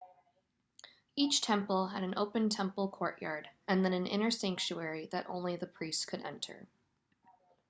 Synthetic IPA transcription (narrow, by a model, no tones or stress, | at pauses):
it͡ʃtʰɛ̃mpl̩ˠɨɾ̃n̩ʔo̰ʊpɨ̃ntʰɛ̃mpl̩ˠkʰɔɹʔjɑ̰ɹɾɨ̃nðɨ̃nɨ̃nɪ̰̃ɾ̃ə˞sæ̃ŋk̚t͡ʃuɛɹiðɨɾʔõ̰ʊ̃nliðɨpʰɹ̥istkʰɨɾɛ̰̃ntʰə̰˞